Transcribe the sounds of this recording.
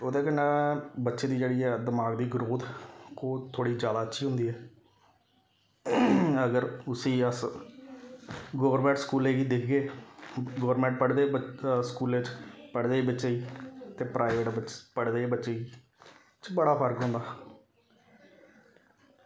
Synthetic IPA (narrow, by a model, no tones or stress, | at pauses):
oːd̪eːkəɳeːbətːʃeːd̪iːd͡ʒeːɽiːɛːd̪əmaːɡd̪iːɡɾoːd̪oːt̪ʰoːɽiːd͡ʒjaːd̪aːətːʃʰiːɦʊ̃nd̪iːɦɛː | əɡəɾʊsiːəs | ɡoːʋəɾmɛ̃ɳʈskuːleːɡiːd̪ɪkʰɡeː | ɡoːəɾmɛ̃ːɳʈ̚pəɽd̪eːskuːlet͡ʃpəɽd̪eːbɪt͡ʃeɡiːt̪eːpɾaːɪʋeːʈəpəɽd̪eːbətːʃeːɡiː | t͡ʃbəɽaːpʰəɾkɦʊ̃ːnd̪aː